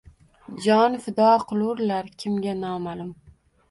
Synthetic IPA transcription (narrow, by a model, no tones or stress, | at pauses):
d͡ʒɒnfɪd̪ɒqʰʊlˠʊɾlaɾkʲʰɪmɡʲanɒmalɪm